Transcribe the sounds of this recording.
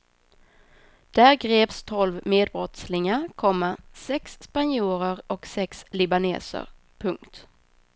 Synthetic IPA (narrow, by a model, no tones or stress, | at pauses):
d̪̥æːɾɡɾeːpst̪ʰɔlvmeːd̪̚bɾɔt̪slɪŋaɾkʰɔmːasɛksːpanjuːɾəɾɔksɛkslɪbanḛːsə̰ɾ | pʰɵŋkt̪